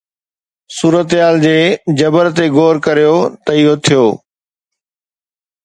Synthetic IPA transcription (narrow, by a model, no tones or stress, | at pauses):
suːɾət̪ɦaːld͡ʑeːd͡ʑɐbəɾt̪eɡoːɾkɐɾijot̪ɐɪjot̪ʰijoː